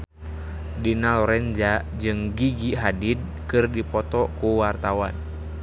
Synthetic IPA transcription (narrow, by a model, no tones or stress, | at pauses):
dinalɔɾɛnd͡ʒa | d͡ʒɨŋɡiɡiɦadid̚kɨrdipɔt̪ɔkuwart̪awan